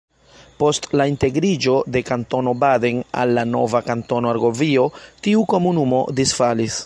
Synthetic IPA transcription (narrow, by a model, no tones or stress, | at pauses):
po̞stlainte̞ɡɾid͡ʒo̞de̞kanto̞no̞badena̰lːano̞̰vakanto̞noaɾɡo̞vio̞tiuko̞munumo̞̰disfalis